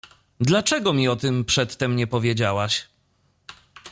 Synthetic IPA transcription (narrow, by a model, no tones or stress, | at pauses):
d̪lat͡ʂɛɡɔmʲiɔt̪ɘmpʂɛt̪ːɛmɲɛpɔvʲjed͡ʑawaɕ